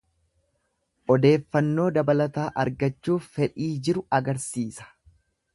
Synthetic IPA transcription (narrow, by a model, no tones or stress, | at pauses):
ʔɔd̪e̞ːfːɐnːo̞ːd̪ɐbɐlɐt̪aːʔɐɾɡɐt͡ʃːuːffɛᶑiːd͡ʒɪɾʊɐɡɐɾsiːsɐ̥